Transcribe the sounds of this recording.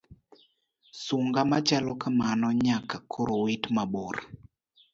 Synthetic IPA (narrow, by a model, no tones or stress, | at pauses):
suŋɡamat͡ʃalɔkamanɔɲakakʰoɾowitmaɓoɾ